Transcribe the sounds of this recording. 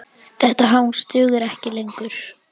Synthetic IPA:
θɛht̪aɦawnst̪ʏːɣɪɾɛhcɪlejŋkʏɾ̥

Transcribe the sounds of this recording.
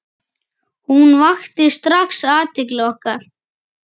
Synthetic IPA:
hunvaxt̪ɪst̪ɾaxsaːt̪ɪklɪɣɔhkaɾ̥

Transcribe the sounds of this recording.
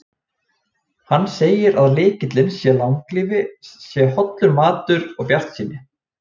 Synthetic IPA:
hanːseːjɪɾaðlɪːcɪt̪lɪnsjɛlaŋkliːvɪsjɛhɔt̪lʏɾmaːt̪ʏɾɔɣpjar̥t̪siːnɪ

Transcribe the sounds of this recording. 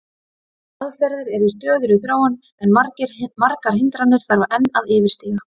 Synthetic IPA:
aðfɛɾðʏɾɛɾist̪œːɣðʏɾʏθɾoːwan | ɛnmaɾcɪɾmaɾkaɾ̥ɦɪnt̪ɾanːɪɾ̥θaɾvaʔɛnːaðɪːvɪɾ̥st̪iːɣa

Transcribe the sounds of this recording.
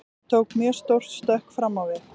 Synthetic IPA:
t̪ʰowkmjɛ̥st̪owr̥t̪st̪œhkfɾamːawvjɛɾ

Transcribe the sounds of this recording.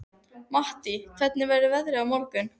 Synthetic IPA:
maht̪ikʰvɛt̪̚nɪvɛɾɪvɛðɾɪawmɔɾkʏn

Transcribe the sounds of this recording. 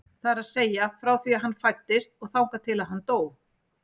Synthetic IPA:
θaɾaðseːjafɾawθiaðɦanːfajt̪ːɪst̪ɔɣθawŋkat̪ʰɪlaðɦanːt̪oːw

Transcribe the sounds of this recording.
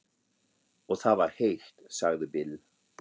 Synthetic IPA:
ɔɣθaðvaɾ̥hejxt̪saɣðɪbɪl

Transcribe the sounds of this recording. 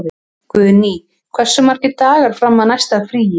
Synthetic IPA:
ðɪ | kvœːðɪniː | kʰv̥ɛr̥sːʏmaɾ̥cɪt̪aːɣaɾ̥fɾamːaðnajst̪aðfɾiːjɪ

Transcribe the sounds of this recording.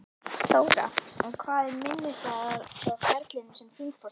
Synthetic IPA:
θoːwɾa̰ɛkʰvaːðɪmɪnːɪst̪aafɛɾk̪lɪnɪsɛmfiːfɔ

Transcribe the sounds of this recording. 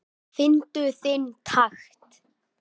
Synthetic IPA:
θɪnt̪ʏθɪnt̪ʰaxt̪

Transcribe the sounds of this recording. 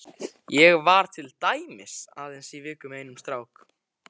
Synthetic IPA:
jɛɣvaɾ̥t̪ʰɪlt̪aːjmɪsa̰ːðensivɪːkʏmejnʏmst̪ɾaːwk

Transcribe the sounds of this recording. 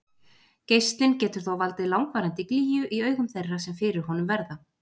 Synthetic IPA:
cejst̪lɪncɛːt̪ʏɾ̥θoawvalt̪ɪlawŋkvaːɾant̪ɪkliːjʏʔiœːɥɣʏmθejrːasɛmfɪɾɪɾ̥ɦɔnʏmvɛɾða

